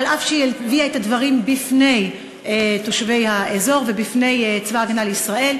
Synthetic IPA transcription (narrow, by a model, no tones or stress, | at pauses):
alafʃejeviaetadvaʁimbifne̞j | eto̞ʃve̞jhaʔezo̞ʁve̞bifne̞jt͡svaaɡanalisʁaʔe̞l